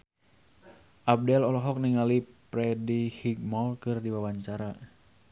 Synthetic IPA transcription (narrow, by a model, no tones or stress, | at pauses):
ʔab̚dɛlɔlɔɦɔk̚niŋalipɾɛdihiɡ̚mɔlkɨrdiwawaɲt͡ʃaɾa